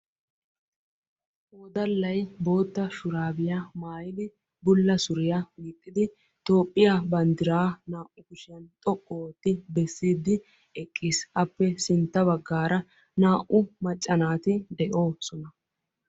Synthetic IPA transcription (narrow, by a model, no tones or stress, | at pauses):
oːd̪ɐlːɐjbo̞ːt̪ːɐʃʊɾaːbɪjamaːjɪlɪ | bʊlːɐsʊɾɪjamiːt̪ʼːɪd̪ɪ | t̪o̞ːpʼːɪjabɐnd̪ɪɾaːnaːʔʊkʊʃɪjɐnt̪ʼɔkʼːoːt̪ːɪbɛsːiːd̪ːɪ | ɛkʼːiːsɐpːɛsɪnt̪ːɐbɐɡːaːɾɐ | naːʔʊmɐt͡ʃʼːɐnaːt̪ɪd̪ɛʔo̞ːsɔnɐ